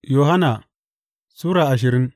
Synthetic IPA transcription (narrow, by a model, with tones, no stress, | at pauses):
jo˨ɦa˦na˨ | suː˦ɾa˨a˨ʃ̬i˨ɾi˦n